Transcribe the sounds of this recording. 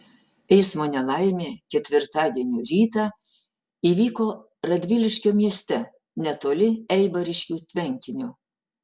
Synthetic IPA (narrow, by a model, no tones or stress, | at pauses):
ɛɪsmoːnʲɛlˠɐɪmʲeːkʲɛt̪ʲʋʲɪɾt̪ɑːd̪ʲiɛnʲuːɾʲiːt̪ɑ | iːʋʲiːkoː | ɾɐd̪ʲʋʲɪlʲɪʃʲkʲoːmʲiɛsʲt̪ʲɛ | nʲɛt̪oːlʲɪɛɪbɐɾʲɪʃʲkʲuːt̪ʲʋʲɛŋʲkʲɪnʲʊ